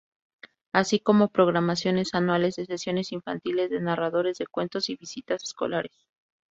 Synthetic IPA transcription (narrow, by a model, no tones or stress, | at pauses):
asiko̞mo̞pɾo̞ɣ̞ɾamasjo̞ne̞sanwale̞zðe̞se̞sjo̞ne̞siɱfant̪ile̞zðe̞naraðo̞ɾe̞zðe̞kwe̞nt̪o̞siβisit̪ase̥sko̞̰laɾes